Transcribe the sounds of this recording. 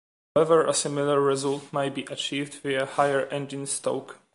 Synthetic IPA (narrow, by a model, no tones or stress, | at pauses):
hawɛvəɹʔəsɪmiləɹːɛzultmajt̚biʔat͡ʃivdwiəhajəɹʔɛ̃nd͡ʒĩnsto̰wk